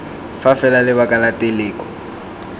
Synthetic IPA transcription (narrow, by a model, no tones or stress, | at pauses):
fafɛlalɪβakʼalateleːkʼɔ̥